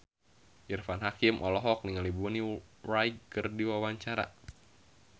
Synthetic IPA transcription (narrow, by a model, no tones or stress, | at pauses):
ʔirfanɦakimʔɔlɔɦɔk̚niŋalibunirajkkərdiwawaɲt͡ʃaɾa̰